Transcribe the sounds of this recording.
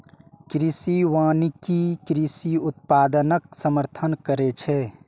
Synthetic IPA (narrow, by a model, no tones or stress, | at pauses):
kɾisiʋaːnikikɾisiut̪̚paːd̪ənək̚səməɾt̪ʰənkəɾɛt͡ʃʰɛ